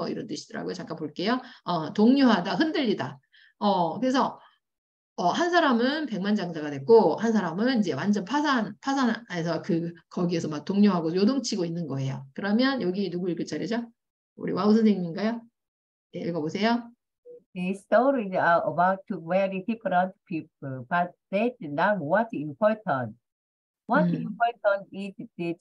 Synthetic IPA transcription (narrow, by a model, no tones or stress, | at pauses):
ʌḭɾʌnt͈ɯɕʰi̥d̥ɯɾa̰ɡojot͡ɕaŋk͈anpoɭk͈e̞joʌtoŋɲoɦadaɦɯndɯʎːida | ʌkɯɾe̞sʰʌ | ʌhansʰaɾamɯnpe̞ŋmand͡ʑaŋsʰaɡadwe̞k͈ohansʰaɾamɯnind͡ʑe̞wand͡ʑʌnpʰasʰanpʰasʰanesʰʌkɯkʌɡie̞sʰʌmak̚t͈oŋɲoɦaɡojodoŋt͡ɕʰiɡoinːɯnɡʌe̞jokɯɾʌmjʌnjʌɡinuɡuiɭk͈ʰʌɭt͡ɕ͈aɾjid͡ʑa | ṵɾḭwaos̬ʰɯneŋɲinɡajo | jeiɭɡʌbosʰe̞jo | distoɹiaəbaʊtʰːumɛɹidipəɾãntpʰip̚əlb̥at̚dɛt̚nawʌt̚ĩmpʰɔɹtə̃n | wʌtimpʰɔɹtə̃ntisdi